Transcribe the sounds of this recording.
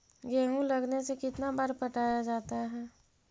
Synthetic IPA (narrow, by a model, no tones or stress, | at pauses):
ɡeːɦũlɐɡnesekɪt̪nabaɾpɐʈaːjad͡ʒaːt̪aɦɛː